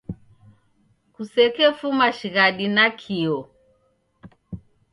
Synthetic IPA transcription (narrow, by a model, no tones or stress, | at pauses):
kusɛkɛfumaʃiɣaɗinakʰiɔ